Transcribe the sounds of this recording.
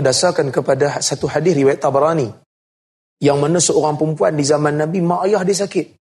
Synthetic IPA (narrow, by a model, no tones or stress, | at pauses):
ədasakankəpadasat̪uħadɪθriwajat̪ːabaɾani | jaŋmanəsəoɾaŋpɾəmpuandizamanːabimãʔajahdis̬akɪt̪̚